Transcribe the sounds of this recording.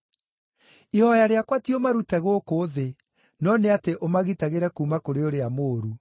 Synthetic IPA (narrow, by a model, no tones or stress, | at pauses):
ihɔjaɾeakwatiomaɾutɛɣokoðe | nɔneateʔomaɣitaɣeɾɛkumakoɾeoɾeamoːɾu